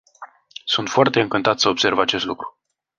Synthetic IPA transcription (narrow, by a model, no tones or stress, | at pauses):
sunt̪foart̪e̞ɨŋkɨnt̪at̪səobse̞rvat͡ʃe̞st̪lukɾu̥